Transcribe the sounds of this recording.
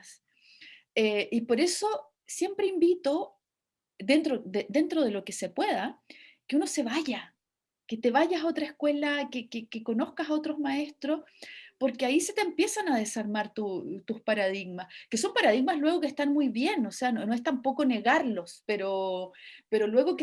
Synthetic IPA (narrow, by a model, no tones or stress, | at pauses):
s | eʔipo̞ɾe̞so̞ | sje̞mpɾeimbit̪o̞ | d̪ent̪ɾoðed̪e̞nt̪ɾoð̞e̞lokesepwe̞ð̞akeuno̞se̞βaʝa | ket̪e̞βaʝasao̞t̪ɾaehkwe̞lakekekeko̞no̞hkasaot̪ɾozmae̞st̪ɾo̞spo̞ɾkeaise̞t̪empje̞sanaðe̞saɾmaɾt̪ut̪uspaɾað̞iɣmaskeso̞mpaɾaðiɣmaslwe̞ɣo̞kest̪anmujβje̞nose̞anono̞est̪ampo̞ko̞ne̞ɣaɾlo̞speɾo | pe̞ɾolwe̞ɣoke